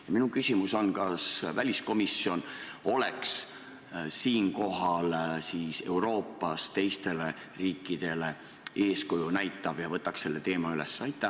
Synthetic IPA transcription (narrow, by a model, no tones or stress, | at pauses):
jɑminukysʲimuso̞nkɑsvælʲisko̞misːio̞no̞le̞ks | siːnko̞ɦɑlsise̞wɾo̞ːpːɑst̪e̞jst̪e̞le̞ | riːkːˑid̪̥e̞le̞ | e̞ːskujunæjt̪ːˑɑvjɑvɤt̪ːˑɑkse̞lːe̞t̪e̞ːmɑyle̞sːɑjt̪ːˑɑ